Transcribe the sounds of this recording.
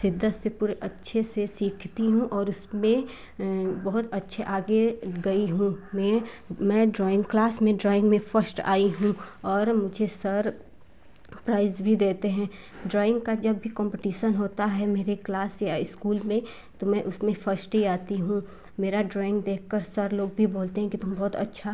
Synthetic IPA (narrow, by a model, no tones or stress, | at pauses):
sɪd̪ʱːət̪sepuːɾeʔɐtːʃʰesesiːkʰt̪iɦũʔɔːɾʊsmẽ | bɐɦʊt̪ɐtːʃʰeʔaːɡeɡɐiɦũmɛ̃ | mɛ̃ːɖɾɔːɪ̃ŋɡklaːsmẽɖɾɔːɪ̃ŋɡmẽfəɾsʈa̰ːiɦũɔːɾmʊd͡ʒʱesɐɾ | pɾaːɪzbʱid̪eːt̪eɦɛ̃ː | ɖɾɔːɪ̃ŋɡkad͡ʒɐbːʱikɔ̃ːmpɪʈiːʃənɦoːt̪aɦɛmeːɾeklaːsjaɪskuːlmẽ | t̪omɛ̃ʔʊsmẽfɐɾsʈɦiaːt̪iɦũ | meːɾaɖɾɔːɪ̃ŋɡd̪eːk̚ʰkəɾsɐɾloːɡ̚bʱiboːlt̪eɦɛ̃kit̪ʊmbɔɦʊt̪ɐ̰tːʃʰa